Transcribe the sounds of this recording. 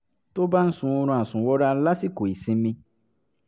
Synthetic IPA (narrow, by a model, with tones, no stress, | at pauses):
to˦ba˦n̩˦sũ˦o˧ɾ̃ũ˧˨a˨sũ˨wɔ˦ɾa˦la˦si˦ko˨i˨sĩ˧mĩ˧